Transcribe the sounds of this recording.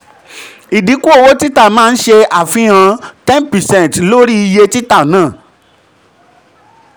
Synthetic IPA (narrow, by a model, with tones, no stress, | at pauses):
i˨di˨˦ku˦o˦˨wo˦ti˦ta˦˨mãː˦˧n̩˦ʃe˧a˨fĩ˧˦ã˧tɛ̃˦npɛ˨sɛ̃˦˨n˨tlo˦ɾi˦i˧je˧ti˦ta˦˨nãː˦˨